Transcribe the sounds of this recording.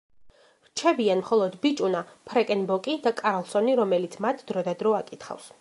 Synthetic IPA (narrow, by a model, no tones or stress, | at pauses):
ɾt͡ʃʰɛbianmχɔlˠɔd̪bit͡ʃʼunapʰɾɛkʼɛnbɔkʼid̪akʼaɾlˠsɔniɾɔmɛlit̪sʰmat̪ʰd̪̥ɾɔd̪ad̪ɾɔakʼit̪χa̰fs